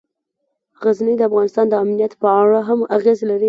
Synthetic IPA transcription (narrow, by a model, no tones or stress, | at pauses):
ɣaznəjd̪əafɣɑnɪst̪ɑnd̪əamnijat̪pəaɽaɦamaɣezlaɾi